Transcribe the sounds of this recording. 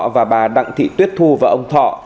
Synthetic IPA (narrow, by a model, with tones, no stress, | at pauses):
vaː˨˩ɓaː˨˩ɗa̰˧˨ŋt̪ʰḭ˧˨t̪wi˦˥ət̚t̪ʰu˧vaː˨˩ʔə˧wŋ͡mt̪ʰɔ̰˧˨